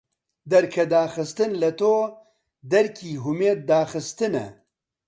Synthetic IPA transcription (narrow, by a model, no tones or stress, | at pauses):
d̪ɐɾkʰɐd̪aːxɨst̪ɨnlɐt̪oː | d̪ɐɾkʰiːɦʊmeːd̪̚ːaːxɨst̪ɨnɛ̰